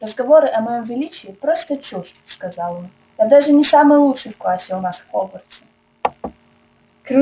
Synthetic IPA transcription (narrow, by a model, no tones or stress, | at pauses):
rəzɡɐvoɾɨʔɐmɐjomvʲɪlʲit͡ɕɪːpɾost̪ət͡ɕuʂskɐzalˠon | jad̪aʐɨnʲɪsamɨjlˠutʂɨjfklˠasʲɪwʊnaʂxobərt̪sə̥ | kɾʲu